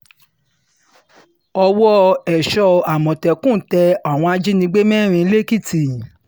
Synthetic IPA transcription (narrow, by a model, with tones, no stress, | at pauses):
ɔ˧wɔ˦ɛ˨ʃɔ˧˨a˨mɔ̃˨tɛ˨kũ˦˨tɛ˧a˨w̃ɔ̃˧a˧d͡ʒi˦nĩ˧ɡ͡be˦mɛ̃˦˨ɾ̃ĩ˧˦le˦ki˦˨ti˨